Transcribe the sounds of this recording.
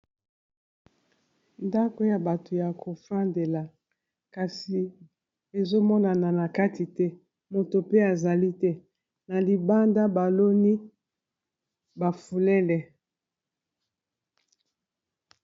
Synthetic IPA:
nda˦ko˦ja˨ba˨to˨ja˨kʰo˨fa˦nde˨la˨ | ka˨si˨ | e˨zo˦mɔ˦na˨na˨na˨ka˦ti˨tɛ˦ | mo˨to˨pe˦a˨za˨li˦tɛ˦ | na˨li˨ba˦nda˦ba˨lo˦ni˦ | ba˨fu˨lɛ˦lɛ˨

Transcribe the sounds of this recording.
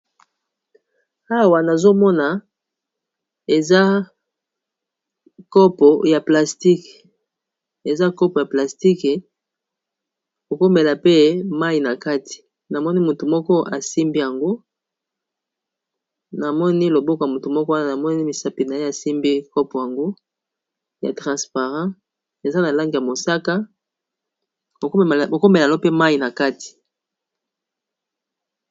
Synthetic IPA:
a˦˨wa˨na˨zo˦mɔ˦na˨ | e˨za˦ | kɔ˦pɔ˨ja˨pla˨sti˦k | e˨za˦kɔ˦pɔ˨ja˨pla˨sti˦ke˨ | ko˨ko˦me˨la˨pe˦ma˦i˨na˨ka˦ti̥˨ | na˨mɔ˦ni˦mu˨tu˨mɔ˦kɔ˦ʔa˨si˦mbi˦ja˨ŋɡo˦ | na˨mɔ˦ni˦lo˨bɔ˦ka˨mu˨tu˨mɔ˦kɔ˦wa˦na˦na˨mɔ˦ni˦mi˨sa˨pi˨na˨je˦a˨si˦mbi˦kɔ˦pɔ˨ja˨ŋɡo˦ | ja̰˨tʁɑ̃˨spa˨ʁɑ̃˦ | e˨za˦na˨la˦ŋɡi˨ja˨mo˨sa˦ka˦ | o˨ko˨ko˦me˨llo˦pe˦ma˦ji˨na˨ka˦ti̥˨

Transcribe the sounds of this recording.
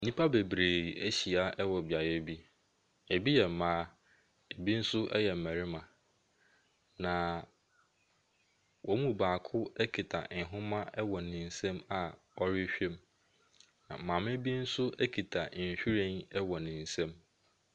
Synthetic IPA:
n̩˦nĩ˦pʰa˦be˨bɾeː˨æ˦ɕi˨a˦ʔɛ˦wɔ˨bja˨jɛ˦bi˦ | e˨bi˦jɛ˨m̩˨mãː˦ | e˨bi˦n̩˦sʊ˦ʔɛ̰˦jɛ˨m̩˨mæ˨ɾɪ˦mã˨ | nã˨ | wʔɔ˦mũ˦˨baː˨kʰʊ˦ɛ˦kʰi˨tʰa̰˨nɪ̃˨ɦʊ̃˦mã˦ɛ˦wɔ˨nɪ̃˨n̩˦sɛ̃˦ma˨ | ɔ˦ɾɪ˦ɕᶣe˦m | nã̰˨m̩˨ãː˨me˦bi˦n̩˦sʊ˦ʔæ˦kʰi˨tʰa˨ɕᶣi˦ɾẽ˦nɛ˦wɔ˨nɪ̃˨n̩˨sɛ̃˦m

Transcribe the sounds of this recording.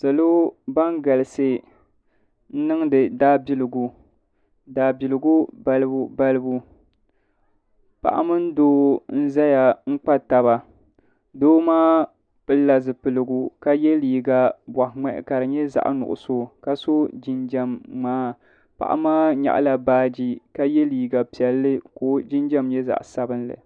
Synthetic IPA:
sa˨lo˦ba˦ŋɡa˨lɨ˨sɨ˦ | n̩˦nɨ˦ŋ˦dɨ˨daː˦bi˨lɨ˨ɡu˨ | daː˨bi˨lɨ˨ɡu˦ba˨lbu˨ba˦lɨ˦bu˦ | pa̰˨ʔa̰˦mɨ˦n˦doː˦n̩˦za˦ja˨ŋ͡m̩˦k͡pa˦ta˨βa˨ | doː˦maː˦ | pɨ˦lːa˨zɨ˨pɨ˨lɨ˨ɡu˨ka˦jɛ˦liː˨ɡa˨bwa˨hŋ͡mɛ˨ʔɪ̰˨ka˨ɾɨ˨ɲɛ˦za̰˨ʔnʊ̰˨ʔʊ̰˨so˦˨ka˦so˦d͡ʒi˦nd͡ʒɛ˦mːaː˦ | pa̰˨ʔa̰˦maː˦ɲa̰˨ʔla˨baː˦d͡ʒi˦ka˦jɛ˦liː˨ɡa˨pi˨ɛ˨lːɨ˦koː˦d͡ʒi˦nd͡ʒɛ˦mɲɛ˦za̰˨ʔsa˦bɨ˦nlɨ̰˨

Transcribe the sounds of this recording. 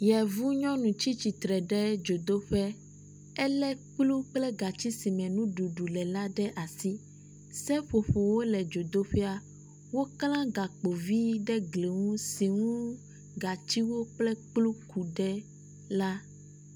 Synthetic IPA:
jɛ˨vu˦ɲɔ̃˦nũ˨t͡ɕi˦t͡ɕi˨t̪ɾɛ˨ɖɛ˦d͡ʒo˨d̪o˦ɸɛ˦ | ɛ˦lɛ˦k͡plu˦k͡plɛ˦ɡa˨t͡ɕi˦si˨mɛ̃˨nũ˦ɖu˨ɖu˨lɛ˨la˦ɖɛ˦ʔa˨si˦ | sɛ˦ɸo˨ɸo˨wo˦lɛ˨d͡ʒo˨d̪o˦ɸɛ˦a˨ | wo˦klã˦ɡa˨k͡po˨vi˦ɖɛ˦ɡle˨ŋũ˦si˨ŋũ˦ | ɡa˨t͡ɕi˦wo˦k͡plɛ˦k͡plu˦ku˨ɖɛ˦ | la˦

